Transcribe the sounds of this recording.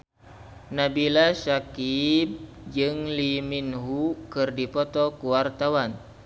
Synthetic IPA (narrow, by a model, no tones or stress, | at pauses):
nabilasakib̚d͡ʒɨŋliminɦukɨrdipɔt̪ɔkuwart̪awan